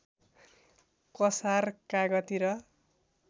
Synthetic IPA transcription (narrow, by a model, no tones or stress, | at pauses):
kʌsarkaɡʌt̪iɾʌ